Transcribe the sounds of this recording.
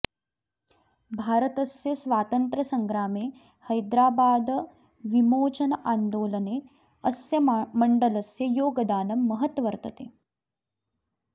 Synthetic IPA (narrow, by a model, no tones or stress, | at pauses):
bʱaːɾət̪ɐsjɐsʋaːt̪ɐnt̪ɾɐsɐŋɡɾaːmeː | hɐjd̪ɾaːbaːd̪ | ʋimoːt͡ʃɐnɐʔaːnd̪oːlɐneː | ɐsjɐmɐɳɖɐlɐsjɐjoːɡɐd̪aːnɐmːɐɦət̪ʋɐɾt̪ɐt̪eː